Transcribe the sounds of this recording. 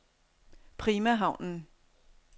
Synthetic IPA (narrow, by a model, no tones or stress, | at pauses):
pʰʁiːmæɦɑ̈ʊ̰nn̩